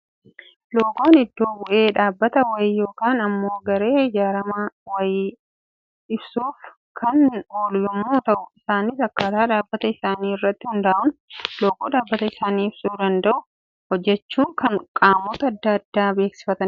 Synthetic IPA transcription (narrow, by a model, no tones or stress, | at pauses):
loːɡo̞ːnɪd̪ːo̞ːbʊʔe̞ːᶑaːbːɐt̪ɐwɐjɪjo̞ːkaːnɐmːo̞ːɡɐɾe̞ːɪd͡ʒaːɾɐmaːwɐj | ɪbsuːf | kʰɐno̞ːljɔmːuːt̪ɐʔʊɪsaːnisɐkːaːt̪aːᶑaːbːɐt̪ɐɪsaːniːɪrːɐt̪ːɪhʊnd̪aːʔʊnloːɡoːᶑaːbːɐt̪ɐɪsaːniːɪb̥suːd̪ɐnd̪ɐʔʊ | hɔd͡ʒːɛt͡ʃːuːŋkɐŋkʼaːmɔt̪ɐːd̪ːɐɐd̪ːaːbe̞ːksɪ̥fɐt̪ɐn